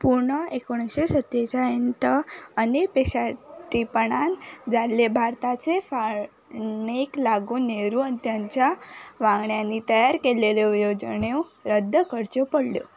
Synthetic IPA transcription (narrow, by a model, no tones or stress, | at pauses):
puɾɳəekoɳ̃ɕesət̪jet͡ɕaənt̪əənepeɕaʈipəɳand͡zaɾlebʱaɾt̪at͡sefa | ɳeklaɡuneɾũənit̪jaɲt͡ɕjaʋãŋɡɳjanːit̪əjaɾkeleleujod͡ʑɳeuɾəd̪ʱːəkəɾt͡ɕopəɽljo̰